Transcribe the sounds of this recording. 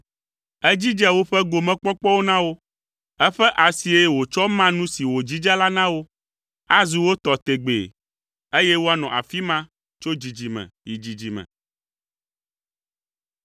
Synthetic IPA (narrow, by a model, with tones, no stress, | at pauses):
ɛ˦d͡ʑi˦d͡ʒɛ˦wo˦ɸɛ˦ɡo˨mɛ̃˦k͡pɔ˦k͡pɔ˦wo˦nã˦wo˦ | ɛ˦ɸɛ˦ʔa˨si˨e˦wo˨t͡ʃɔ˦mã˦nũ˦si˨wo˨d͡ʑi˦d͡ʒa˦la˦nã˦wo˦ | a˦zu˨wo˦t̪ɔ˨t̪e˨ɡ͡bḛ˨ | e˦jɛ˦wo˦a˦nɔ̃˨ʔa̰˨fi˦mã˦ | t͡ʃo˦d͡ʑi˨d͡ʑi˨mɛ̰̃˨ji˨d͡ʑi˨d͡ʑi˨mɛ̰̃˨